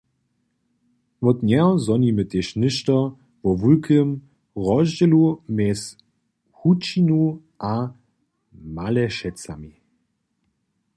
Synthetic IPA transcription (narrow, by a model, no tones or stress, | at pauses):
mɔt̪nʲɛɔzɔnimət̪eʃnɘʃtɔ | vɔvulkʰəm | ʁɔʑd͡ʑɛlumɛs | hut͡ʃinu | ʔa | malɛʃɛt͡sami